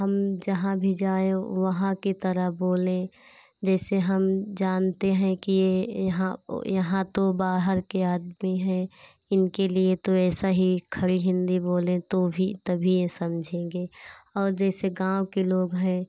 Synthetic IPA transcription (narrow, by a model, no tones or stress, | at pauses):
ɦəmd͡ʒɐɦãbʱid͡ʒaːẽʋəɦãkit̪əɾəɦboːlẽ | d͡ʒɛːseɦəmd͡ʒaːnt̪eɦɛ̃kijeɦã̰jɐɦãt̪obaːɦəɾkeaːd̪miɦɛ̃ | ɪnkeliet̪oɛːsaɦikʰəɾiɦɪ̃nd̪iboːlẽt̪obʱit̪ɐbʱiẽsɐmd͡ʒʱẽːɡeː | ɔːɾd͡ʒɛːseɡãːwkeloːɡɦɛ̃ː